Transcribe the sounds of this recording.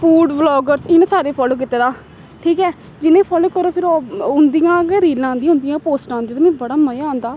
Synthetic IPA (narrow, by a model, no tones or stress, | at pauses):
pʰuːɖblɔːɡəɾsɪnãːsaːɾeːpʰɔːloːk̬ɪt̪ːeːd̪aː | ʈʰiːkɛː | d͡ʒɪnẽːpʰɔːloːkəɾoːpʰɪɾoʊnd̪ijãːkːɾiːlãːnd̪iãːɦʊ̃nd̪ijãːpoːsʈãːnd̪ij̃t̪ːmɛ̃ːbəɽaːməjãːnd̪aː